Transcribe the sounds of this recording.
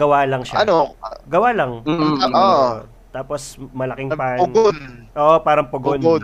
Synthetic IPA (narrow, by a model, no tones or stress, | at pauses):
ɡɐwaːlɐŋʃaɐnoɡɐwaːlɐŋʔo | t̪aːposmɐlɐkɪŋpapʊonʔoːʔopaːɾɐŋpɐɡon